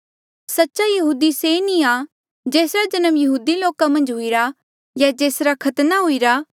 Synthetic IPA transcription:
sɐtːʃajɐɦuːd̪isenĩa | d͡ʒeːsɾad͡ʒɐnəmjɐɦuːd̪iloːkamɐ̃nd͡ʒɦʊiɾa | jad͡ʒeːsɾakʰɐt̪naɦuiɾa

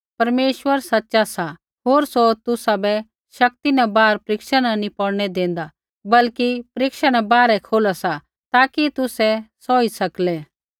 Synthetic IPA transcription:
pɐɾmeːʃwəɾsɐtːʃasa | ɦoːɾsot̪ʊsabɛ | ʃɐk̚t̪inabaːɾpɾɪkʃənanipɔɽnɛd̪ẽːn̆d̪a | bɐlkipɾɪkʃəɽ̃abaːɾɛkʰoːlasa | t̪aːkit̪ʊsɛsɔːisɐklɛ

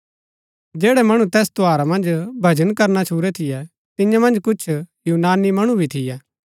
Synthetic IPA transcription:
d͡ʒɛːɽɛmɐɽ̃ũt̪ɛːst̪ʊaːɾamɐ̃nd͡ʒbʱɐd͡ʒənkɐɾnat͡ʃʰuːɾɛt̪ʰɪjɛ | t̪ɪ̃jãmɐ̃nd͡ʒkʊt͡ʃʰjuːnaːnimɐɽ̃ũbʱit̪ʰɪjɛː

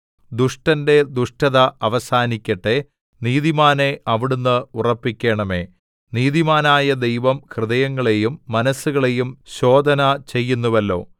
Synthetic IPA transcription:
d̪uʂʈɐnde̞d̪uʂʈɐðɐɐʋɐsaːnikʲːɐʈːe̞ | niːðimaːne̞ʔɐʋiɽunːɨurɐpːikʲːe̞ːɳɐme̞ː | niːðimaːnaːjɐd̪e̞jʋɐmkrɨðɐjɐŋːɐɭe̞jumːɐnɐsːuɣɐɭe̞jumɕo̞ːd̪ʱɐnɐt͡ɕe̞jːunːuʋɐlːo̞̰ː

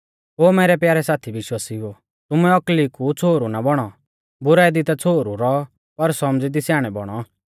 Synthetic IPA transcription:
ɦoːmeːɾɛpjaːɾɛsaːt̪ʰiʋɪʃwaːsiɦoː | t̪ʊmɛɔklikut͡sʰoːɾunabɔɽ̃ɔ | bʊɾaːɛd̪ɪt̪at͡sʰoːɾuɾɔɔ | pɐɾsɔmd͡zid̪isjaːɽ̃ɛbɔɽ̃ɔ

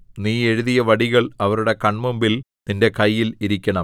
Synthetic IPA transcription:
niːe̞ɻuðijɐʋɐɽiɣɐɭɐʋɐɾuɽe̞kɐɳmumbil | ninde̞kɐjːiliɾikʲːɐɳɐ

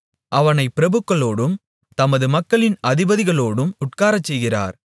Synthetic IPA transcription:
ʔɐʋɐnɐɪpːɪɾɐbɯkːɐɭoːɽɯm | t̪ɐmɐðɯmɐkːɐɭɪnɐðɪbɐðɪɣɐɭoːɽɯmʊʈkaːɾɐt͡ʃːɛjɣɪra̰ːɾ

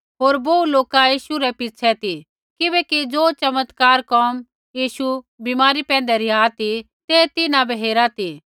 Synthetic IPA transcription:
ɦoːɾboːuloːkajiːʃuɾɛpɪːt͡ʃʰɛt̪i | kɪbɛkid͡zoːt͡ʃɐmət̪kaːɾkɔːm | jiːʃu | bimaːɾipɛ̃ːnd̪ɛɾɪaːt̪i | t̪eːt̪ɪnãbɛɦeːɾat̪i

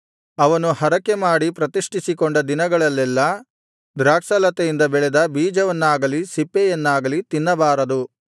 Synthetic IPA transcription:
ɐʋɐnuhɐɾɐkːemaːɽipɾɐt̪iʂʈisikɔɳɖɐd̪inɐɡɐɭɐlːɛlːɐ | d̪ɾaːksɐlɐt̪ejind̪ɐbɛɭɛd̪ɐbiːd͡ʒɐʋɐnːaːɡɐlisipːejɐnːaːɡɐlit̪inːɐbaːɾɐd̪u

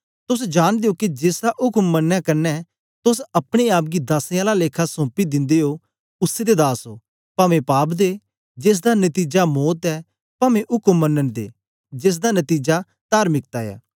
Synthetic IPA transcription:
t̪ʊsd͡ʒaːɽ̃d̪eːokid͡ʒeːsd̪aʔʊkəmːənːakɐɾnɛ | t̪ʊsɐpɽ̃eaːp̬̚ɡid̪aːseãlaleːkʰasɔ̃ːpid̪ɪ̃nd̪eːɦo | ʊsːed̪ed̪aːsoː | pamẽpaːpd̪eː | d͡ʒeːs̬d̪anət̪iːd͡ʒamoːt̪ɛː | pɐmẽʔʊkəmːənːənd̪ḛː | d͡ʒɪs̬d̪anɐt̪iːd͡ʒa | t̪aːɾmɪk̚t̪aːja̰ː

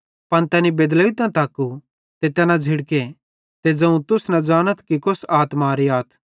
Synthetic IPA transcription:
pɐnt̪ɛːnibeːd̪lɐit̪ãt̪aːkːu | t̪et̪ɛːnãd͡zʱɪɽke | t̪ed͡zɐ̃ũt̪ʊsnɐd͡zaːɽ̃ət̪ʰkikʊsaːt̪maɾiaːt̪ʰ

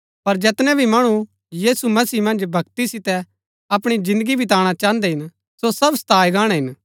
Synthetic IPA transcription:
pɐɾd͡ʒɛːt̪nɛ̃bʱimɐɽ̃u | jiːsumɐsiːmɐ̃nd͡ʒbʱɐɡt̪isɪt̪ɛ | ɐpɽ̃id͡ʒɪ̃nd̪əɡibʱɪt̪aːɽ̃at͡ʃãːənd̪ɛɦɪn | sosɐbst̪ʰaːjɡãːɽ̃ɛɦɪn

